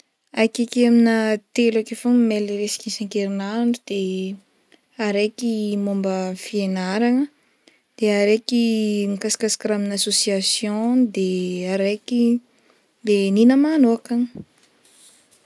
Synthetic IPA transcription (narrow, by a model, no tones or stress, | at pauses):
ajkekaminat̪elakefomimeliɾesi̥kisaŋkeɾinaɳɖ͡ʐud̪̥e | aɾekimombəfienaɾaŋə | d̪̥eaɾekimikasḁkasḁkaɾaminasosiasjõd̪eaɾejki | beninəmanoakan